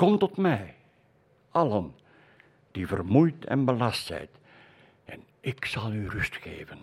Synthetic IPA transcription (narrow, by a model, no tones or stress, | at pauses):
kɔmtɔtmɛj | ʔɑlən | d̥ivə̰rmujtɛ̰nbəlɑstsɛ̰jt | ɛn | ɪksɑlˠyrʏstxḛːvən